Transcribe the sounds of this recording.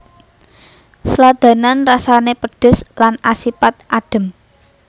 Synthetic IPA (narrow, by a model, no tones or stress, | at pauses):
slad̪̥a̤nanrasanepəɖ̥ʊ̤slanasipat̪̚ʔaɖ̥ə̤m